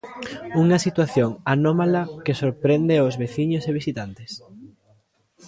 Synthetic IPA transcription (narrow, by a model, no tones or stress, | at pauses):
uŋɐsit̪waθjoŋanomalɐkesoɾpɾend̪eozβeθiɲoseβ̞isit̪ant̪es